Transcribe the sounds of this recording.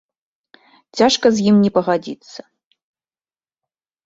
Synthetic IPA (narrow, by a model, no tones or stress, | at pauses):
t͡sʲaʂkɐzʲjimnʲɛpɐɣad͡zʲit̪sɐ̥